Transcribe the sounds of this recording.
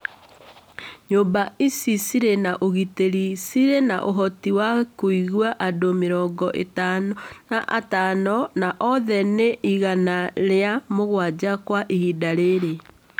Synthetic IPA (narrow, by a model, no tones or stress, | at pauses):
ɲoːmbaisisiɾenaʔoɣiteɾisiɾenaʔoɦɔtiwakoiɣwaʔadomeɾɔːɡɔʔḛtannaʔatanɔnaʔɔðɛneʔiɣanaɾeamoɣwad͡ʑakwaʔihidaɾeɾe